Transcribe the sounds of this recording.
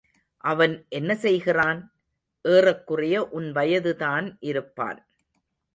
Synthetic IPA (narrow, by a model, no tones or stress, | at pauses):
ʔɐʋɐnʔɛnːɐsɛjɣɪraːn | ʔeːrɐkːɯrɐjɐʔʊnʋɐjɐðɯðaːnʔɪɾɯpːa̰ːn